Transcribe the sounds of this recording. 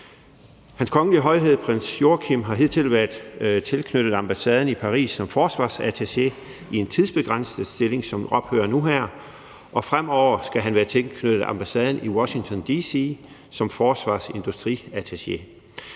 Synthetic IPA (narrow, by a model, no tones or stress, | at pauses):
hænskʰɒ̽ŋəliəɦɒ̽ɪɦe̝ð̞̰ˠpʰʁen̰sjo̝kʰimɦɑ̈ɦe̝ð̰ˠt͡sʰe̝lʋæɐd̥t͡sʰe̝lkʰnød̥ð̩ˠɑ̈mb̥æsɛːð̞ˠn̩ipʰɑ̈ʁḭːsːɒ̽mfɒːsʋɑ̰̈ːsæt͡sʰese̝ | ie̝nt͡sʰiðˠsb̥e̝ɡ̥ʁɑn̰səð̩ˠsd̥e̝le̝ŋsɒ̽mɒ̽b̥hø̰ːɐnuɦæɐ̰ | ʔɒ̽fʁam̰ɒʊ̰ɐsɡ̥æɦænʋæːɐt͡sʰe̝lkʰnød̥ð̩ˠɑ̰̈mb̥æsɛːð̞ˠn̩iwɒ̽ɕi̝ŋt͡sʰɒ̽nd̥isi | sɒ̽mfɒːsʋɑ̰̈ːse̝nd̥usd̥ʁḭːæt͡sʰeɕe